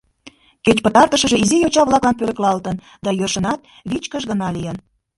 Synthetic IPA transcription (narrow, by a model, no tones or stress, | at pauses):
ket͡ɕpət̪ɑrt̪əʃəʒeizijot͡ɕɑβlɑklɑnpølə̆klɑlt̪ən | d̪ɑjørʃənɑt̪̚ | βit͡ɕkəʃɣənɑlijən